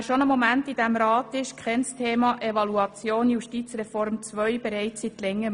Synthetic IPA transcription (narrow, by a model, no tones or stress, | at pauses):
ʃonəmomæntid̥æmɾɑːtɪʃkχɛnstʰeːmɑʔeʋɑluɑt͡sjoːnjuʃtiːt͡srɛfɔɾmt͡sʋœʏb̥ɛɾɛɪt͡shit̪lɛŋːə